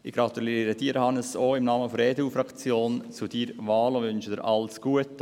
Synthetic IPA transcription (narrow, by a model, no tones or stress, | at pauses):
ʔɪɡ̥ɾɑt̪uliɾəd̥iːɾhɑnəsoːɪmnɑːməfɔɾeːdeufɾɑkt͡sjoːnt͡sudiɾvɑːlʊvʏnʃədɪɾʔɑlsɡ̥uət